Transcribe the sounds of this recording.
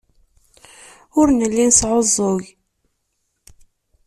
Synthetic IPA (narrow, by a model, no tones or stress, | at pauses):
ʊɾnəlːinsʕozˤːoʝ